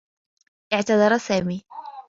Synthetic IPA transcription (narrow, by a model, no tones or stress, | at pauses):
ʔɪʕt̪ɑd̪ˤɑɾˤsaːmiː